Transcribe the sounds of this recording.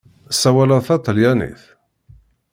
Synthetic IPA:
sːæwæləðθɑt̪ˤːəljænḭθ

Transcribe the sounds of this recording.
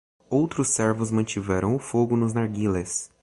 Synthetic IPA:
owt̪ɾʊsːɛɾvʊzmɐ̃t͡ʃivɛɾɐ̃w̃ʊfoɡʊnʊznaɾɡiles

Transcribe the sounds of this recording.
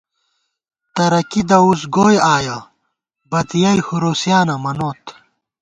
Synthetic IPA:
t̪ɐɾɐkid̪ɐusɡoːjaːjɐ | bɐt̪ijɐjhuɾoːsjaːnɐmɐnoːt̪

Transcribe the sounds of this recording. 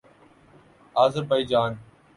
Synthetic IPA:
aːzəbaiːd͡ʒaːn

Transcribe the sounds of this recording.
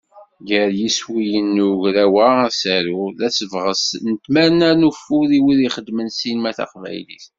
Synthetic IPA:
ɡəɾjiswijənːuʝɾæwæsæɾulæsəvʁəsnət̪mæɾnænufuðiwiðiχəd̪ːmənsinmæθɑ̰qvæ̰jlḭθ

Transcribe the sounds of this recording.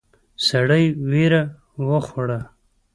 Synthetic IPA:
saɽəjweɾa | wəxaɽa

